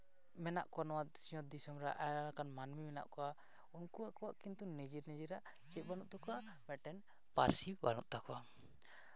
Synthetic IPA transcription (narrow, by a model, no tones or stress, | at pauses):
mɛna̰ʔkɔanɔwat̪̚siɔt̪̚d̪isɔmɾaʔaakanmanmimɛna̰ʔkɔwa | unkuaʔkɔwaʔkint̪unɛd͡ʒiɾnɛd͡ʒiɾaʔ | t͡ʃɛt̪̚banuʔ̚t̪ɔkɔa | mɛʈɛn | pa̰ɾsibanṵʔ̚t̪akɔwa